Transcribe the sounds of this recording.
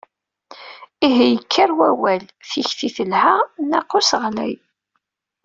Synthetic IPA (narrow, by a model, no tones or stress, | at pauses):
iɦijəkʰːaɾwæwælθiçθiθəlhaʁnaqːʊsəʁlæ̰j